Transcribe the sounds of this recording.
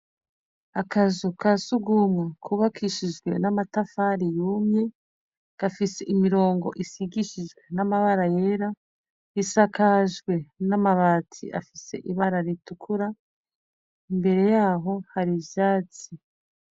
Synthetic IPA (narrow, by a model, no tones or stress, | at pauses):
akazukasuɡumŋakʰuβakʰiʃid͡ʒɡwe̞̰namatafaɾijuːmɲe̞ | ɡ̥afise̞ʔimiɾo̞ːŋɡo̞̰ʔisiɡiʃid͡ʒɡwe̞namaβaɾaje̞ɾa | isakaʒɡwe̞namaβaːtʰḭʔa̰fise̞̰ʔiβaɾaɾitukʰuɾa | imbe̞ɾe̞jaːɦo̞haɾivjaːt͡si